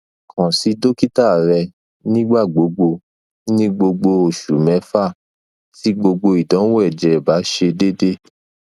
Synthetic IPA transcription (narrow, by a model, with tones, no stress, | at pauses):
kʰã˨si˨˦do˦ki˦ta˦˨ɾɛ˧ | nĩ˦ɡ͡ba˦˨ɡ͡bo˨˦ɡ͡bo˧ | nĩ˦ɡ͡bo˧ɡ͡bo˧o˨ʃu˨mɛ̃˨˦fa˦˨ | ti˨˦ɡ͡bo˧ɡ͡bo˧i˨dɔ̃˨˦wɛ˦˨d͡ʒɛ˨ba˨˦ʃe˧de˦de˦